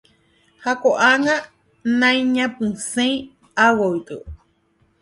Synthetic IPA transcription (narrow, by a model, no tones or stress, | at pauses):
hakoʔaŋã | nãĩɲãpɨsẽĩ | awoik̪ɨ